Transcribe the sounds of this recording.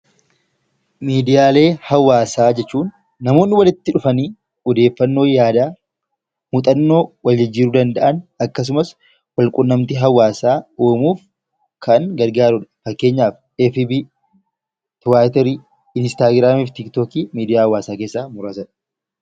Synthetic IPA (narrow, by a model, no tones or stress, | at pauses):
miːd̪ɪjaːle̞ːhɐwaːsaːd͡ʒɛt͡ʃːuːnː | ɐmo̞ːnːɪwɐlɪt̪ːɪᶑʊfɐniː | ɔd̪e̞ːfːɐnːo̞ːjaːd̪aː | mut̪ʼɐnːo̞ːwɐld͡ʒɪd͡ʒːiːɾuːd̪ɐnd̪ɐʔɐnɐkːɐs̬ʊmɐs | wɐlkʼʊnːɐmt̪ɪɦɐwːaːsaːoːmuːf | kʰɐŋɡɐɾɡaːɾʊᶑɐ̥fɐkːe̞ːɲːaːf | efibi | t̪ʊwaːt̪ɛɾi | ɪnst̪aːɡɾaːmiːft̪ɪkt̪oːkiːmiːd̪ɪjaːhɐwːaːsaːkeːsːaːmʊɾɐsɐn